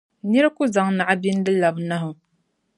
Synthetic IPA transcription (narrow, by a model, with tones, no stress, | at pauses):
nɛ˦ɾɨ˦ku˦za˨ŋna˨ʔa˦bi˦n˦dɨ˦la˨bna˦ɦʊ˨